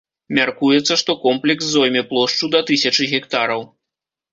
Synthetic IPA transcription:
mʲarkujɛt̪sːɐʂt̪ɔkɔmplʲɛksːɔjmʲɛplˠɔʂt͡ʂud̪ɐt̪ɨsʲɐt͡ʂɨɣʲɛkt̪aɾɐw

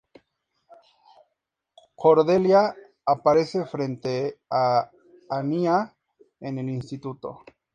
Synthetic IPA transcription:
kʰoɾðeljaː | paɾe̞se̞fɾent̪e̞a | ania | enelinst̪it̪ut̪o̞̰

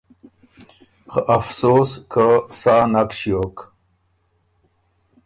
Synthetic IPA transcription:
xʔɐfsoːskʰəsaːnakɕjoːk

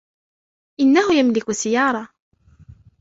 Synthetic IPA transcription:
ʔɪnːahʊjamlɪkʊsɪjɑːɾˤɑ

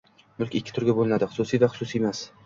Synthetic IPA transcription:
mʊlkʲɪkʲʰːɪ̥t̪ʰʊɾɡʲabolˠɪnad̪ɪχʊ̥sʊsijvaχʊ̥sʊsiemas

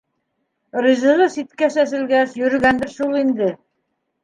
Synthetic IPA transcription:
ɾɤ̆zɤ̆ʁɤsit̪kæsæs̬ɘ̆lɡæʃjɵ̆ɾɘ̆ɡænd̪ɘɾʃulˠind̪ɘ

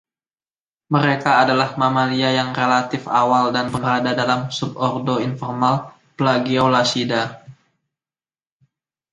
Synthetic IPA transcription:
məɾekaːdalahmamaliajaŋrelat̪ɪfawaldanbəŋəɾadadalamsub̚ɔrdoinfɔrmal | pəlaɡiawlasida

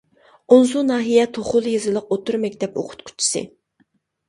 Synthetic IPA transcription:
ons̬unɑːɦijɛt̪ʰoχʊlˠjizɨlˠəq̚ot̪ʰuɾmɛkʲt̪ʰɛpo̰qʰʊ̥t̪kʲʰu̥t͡ʃʰːi̥sɨ̰

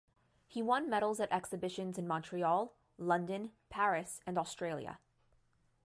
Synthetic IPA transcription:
hiwʌ̃nmɛɾl̩ˠzɨɾʔɛksɨbɪʃɨ̃nzɨ̃nmɑ̃ntʰɹ̥iɔlˠ | lʌ̃ndɨ̃npʰæɹɨsɨ̃nɔstɹ̥eɪlˠjə̰

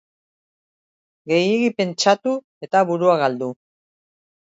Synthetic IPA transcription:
ɡe̞jeɣipe̞nt͡ʃat̪u | e̞t̪aβuɾuaɣald̪u

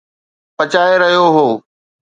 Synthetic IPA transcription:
pɐt͡ɕaːeɾɐɦijoɦoː

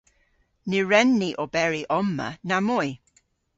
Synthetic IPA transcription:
niɹɛnːiʔɔbɛɹiʔɔmːə̰namɔj

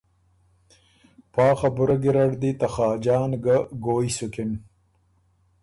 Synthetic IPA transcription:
pɑːxɐbʊɾɐɡiɾɐɽd̪it̪ɐxɑːd͡ʒɑːnɡaɡoːisukim

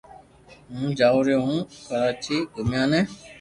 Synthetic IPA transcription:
ɦũːd͡ʒaːɾeːɦũːkəɾaːt͡ʃiːɡʱʊmjãːnɛ̃ː

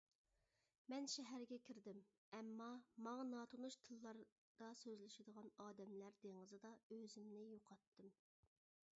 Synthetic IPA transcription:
mɛnʃɛɦæɾɡʲɛkʲʰiɾd̪ɪm | ɛmːɑmɑŋɑnɑːt̪ʰonuʃt̪ʰɨlˠːɑɾ | d̪̥ɑsøzlɪʃɪd̪əʁɑnɑːd̪ɛmlæɾd̪eŋəzɨd̪ɑøzɪmnɪjoqʰɑt̪ːɨm

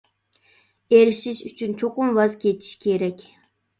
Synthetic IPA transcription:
eɾiʃiʃyt͡ʃʰynt͡ʃʰoqʊmvɑzkʲʰet͡ʃʰi̥ʃkʲʰeɾɛkʲ

